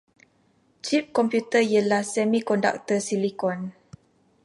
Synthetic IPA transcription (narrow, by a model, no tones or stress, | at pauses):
t͡ʃip̚kɔmpjut̪əijalasɛmikɔnda̰k̚t̪əsilikɔn